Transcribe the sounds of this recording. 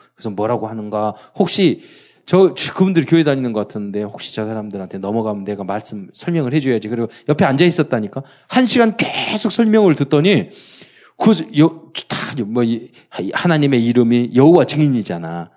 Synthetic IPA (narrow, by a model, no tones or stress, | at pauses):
kɯsʰʌmwʌɾaɡohanɯnɡahok̚ɕ͈i | t͡ɕʌkɯbundɯɾikjoɦe̞daɲinɯnɡʌk͈atʰɯnnde̞hok̚ɕ͈i̥t͡ɕʌsʰaɾamdɯɾɦantʰe̞nʌmʌɡamɯneɡamaɭs͈ɯmsʰʌɭmjʌŋɯɭhe̞d͡ʑujad͡ʑikɯɾiɡojʌpʰe̞and͡ʑais͈ʌt̚t͈aɲik͈a | hanɕʰiɡankesʰok̚sʰʌɭmjʌŋɯɭtɯt͈̚ʌɲi | kɯjʌt͡ɕtḁomʌ | hanaɲime̞iɾɯmijʌɦowat͡ɕɯŋiɲid͡ʑana